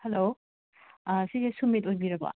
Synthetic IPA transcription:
hɛlo | sizesumitojbiɾɐbɐ̰

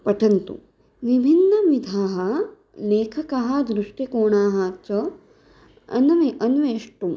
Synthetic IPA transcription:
pɐʈʰɐnt̪ṵ | ʋibʱinːɐʋid̪ʱaːɦɐ | leːkʰɐkɐɦɐd̪ɾuʂʈikoːɳaːɦɐt͡ʃɐ | ɐ̰nʋeʔɐnʋeːʂʈum

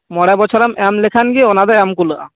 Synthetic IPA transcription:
mɔɽɛbɔt͡ʃʰɔɾamɛmlekʰanɡiɔnad̪aɛmkulɯʔa̰

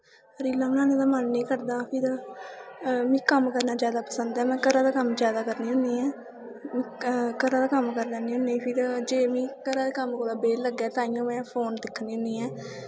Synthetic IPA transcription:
ɾiːlãːʊnãːnẽːd̪aːmənːĩːkəɾd̪aːpʰɪɾ | mĩːkəmkəɾnaːd͡ʒjaːd̪aːpəsənd̪ɛːmɛ̃ːkəɾãːd̪aːkəmd͡ʒjaːd̪aːkəɾniːɦʊ̃nd̪iːɛː | m̃ːkəɾãːd̪aːkəmkəɾd̪ɛːniːɦʊ̃niːpʰɪɾd͡ʒeːmĩːkəɾaːd̪eːkəmkoːɾaːbeːləɡɛːt̪ãːijõːmɛ̃ːpʰoːnd̪ɪkʰːniːʊ̃nd̪iːɛː

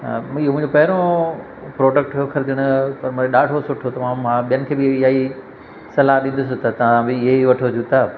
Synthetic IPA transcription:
ɪɦomʊ̃ɪ̃ɲd͡ʑopɐɦɪɾõ | pɾoːɖək̚ʈkʰokʰɐɾɪd̪ɪɽ̃ʊ̆pɐɾmʊ̃ɗaːɽʱosʊʈʰot̪ɐmãːmãɓijənɪ̆kʰeːbɪjaːi | sɐlaːɗĩːnd̪ʊs̬ɪt̪ɐt̪ɐʋãbɪɪɦeʋɐʈʰod͡ʑʰut̪ʰaː

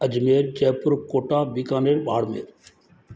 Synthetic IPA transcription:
əd͡ʒmeːɾt͡ʃɛːpʊɾkoːʈaːbiːkãːneːɽɓa̰ːɽmḛːɾ

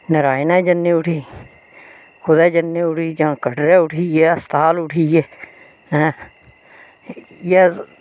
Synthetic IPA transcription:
nəɾaːinãːd͡ʒənːeːʊʈʰiː | xʰʊd̪ɛːd͡ʒənːeʊʈʰiːd͡ʒãːkəɖɾeːʊʈʰiːɛːəst̪aːlʊʈʰiːɛː | ɛ̃ː | ja

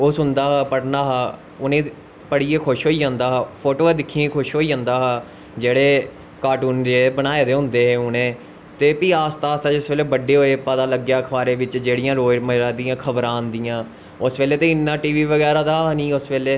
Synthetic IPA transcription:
oːsʊ̃nd̪aːɦaːpəɽnaːɦaː | ʊnẽː | pəɽiːeːkʰʊʃɦoːiːd͡ʒãːnd̪aːɦaːpʰoːʈoːed̪ɪkʰːiːẽːkʰʊʃɦoːiːd͡ʒãːnd̪aːɦaː | d͡ʒeːɽeː | kaːʈuːnd͡ʒebənaːeːd̪eːɦʊ̃nd̪eːɦeːʊnẽː | t̪eːpiːaːst̪aːst̪aːd͡ʒɪsʋeːleːbəɖeːɦoːeːpət̪aːləɡjaːkʰəʋaːɾeːʋɪt͡ʃd͡ʒeːɽɪjãːɾoːməɾaːd̪iãːkʰəbɾãːnd̪ɪjãː | ʊsʋeːleːt̪ẽːɪnːãːʈiːʋiːʋəɡɛːɾaːd̪aːnĩːʊsʋeːleː

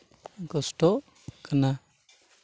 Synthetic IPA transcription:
ɡɔsʈɔʔ | kana

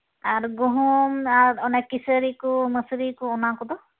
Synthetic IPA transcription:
aɾɡuɦɔmaɾɔnɛkisəɾikuməsɾikɔːnakɔd̪ɔ

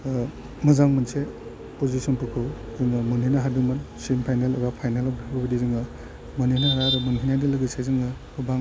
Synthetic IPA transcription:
mɐzaŋmɯnse | pozisɔnpukʰɯwzɯŋɯmunɦinaɦadɯmɯnsimpʰajnelḛbapʰajnelɔp̚daɡubidizɯŋɯ | mɯninaɦaɾaɾɯmɯnɦʰinajdɯlɯɡɯsejzɯŋɯ | uba

